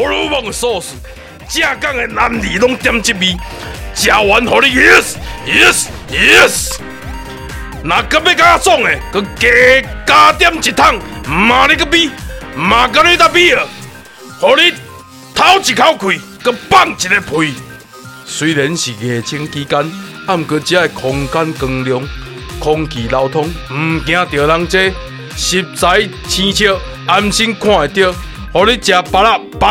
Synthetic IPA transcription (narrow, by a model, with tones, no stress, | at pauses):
ho˧˦lu˦bɔ˧˨ŋe˨sɔ˥˧su˨ | t͡ɕjã˦˧˨ka˥˨ŋe˧na˧md̪i˨lɔ˦ŋt̪ja˧mt͡ɕi˦t̚bi˦ | t͡ɕja˨wa˨˦nɦɔ˨ɾi˦ji˦sji˦sji˦s | nã˨kə˧˦be˦ka˦a˧sɔ˥˨ŋe˨kə˧ke˨ka˦t̪ja˦mt͡ɕi˨t̪ʰa˦˥˨ŋmã˨ɾi˦k̬ə˦bi˦mã˨k̬a˦ɾĩ˦t̪a˦˧bi˦ə˨ | hɔ˨˧ɾi˦ | t̪ʰa˦wt͡ɕi˨˩kʰa˦wkʰwi˨ | kə˦pa˥˨ŋt͡ɕi˨te˧pʰui˧˨ | swi˧˦lɛ˨˦nɕi˨ɣe˨t͡ɕʰi˧˦ŋki˦ka˦na˦˧˨m˨kə˧t͡ɕja˦e˨kʰɔ˧ŋka˦nkɨ˧ŋljɔ˧ŋ | kʰɔ˧ŋkʰi˨la˧wt̪ʰɔ˦ŋm̩˨˩k̬j̃ã˧t̪jə˨˩la˧ŋt͡se˦ | ɕi˨p̚t͡sa˨˦j | t͡ɕʰĩ˧t͡ɕʰə˥˧˨ | a˧mɕi˦nkʰw̃ã˦˧˨e˨t̪ji˥˧˨ | hɔ˨ɾi˦t͡ɕja˧pa˧la˦˧˨ | pa˦